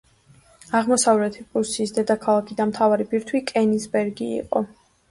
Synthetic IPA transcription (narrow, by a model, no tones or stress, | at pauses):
aʁmɔsavɾɛt̪ʰipʼuɾsiːsd̪ɛd̪akʰalˠakʰid̪anmt̪ʰavaɾibiɾt̪ʰwikʼɛnisbɛɾɡiḭqʼɔ̰